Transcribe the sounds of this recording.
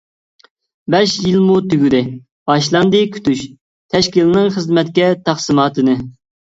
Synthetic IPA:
bɛʃjilmut̪yɡʲyd̪ɪ | bɑʃlˠɑnd̪ɨkʲʰy̥t̪yʃ | t̪ʰɛʃkʲilɪnɨŋχəzmɛt̪̚kʲɛt̪ʰɑχsɨmɑːt̪ʰɨnɨ

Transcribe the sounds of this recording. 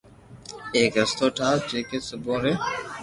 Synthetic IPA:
eːkɦəst̪oːʈʰaːd͡ʒeːkeːsəbõːɾeː

